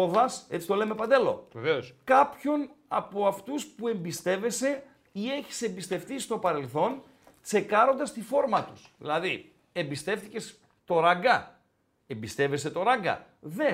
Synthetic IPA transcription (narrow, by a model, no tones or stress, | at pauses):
oðɐse̞t͡si̥t̪o̞le̞me̞pɐnd̪e̞lo̞̰veveoskɐpço̞nɐpo̞ɐft̪uspue̞mbist̪e̞ve̞se̞ | ie̞çi̥se̞mbist̪e̞fθist̪o̞pɐɾe̞lθo̞n | t͡se̞kɐɾo̞nd̪ɐst̪ifo̞ɾmɐt̪u̥sðḭlɐði | e̞mbist̪e̞fθice̞s | t̪o̞ɾɐɡɐ | e̞mbist̪e̞ve̞se̞t̪o̞ɾɐɡɐ̰ | ðe